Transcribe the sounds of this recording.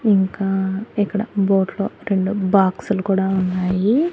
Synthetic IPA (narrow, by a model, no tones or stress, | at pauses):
iŋkaːikːɐɽɐboːʈloːɾe̞ɳɖubaːksulukuːɽaːunːaːji